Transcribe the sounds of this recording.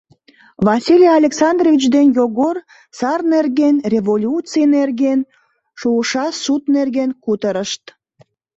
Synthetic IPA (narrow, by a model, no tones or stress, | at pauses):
vɑsʲilʲijɑlʲeksɑnd̪rovʲit͡ɕd̪enjoɣor | sɑrnerɣenrʲevolʲut͡sinerɣen | ʃuəʃɑsut̪nerɣenkut̪əɾəʃt̪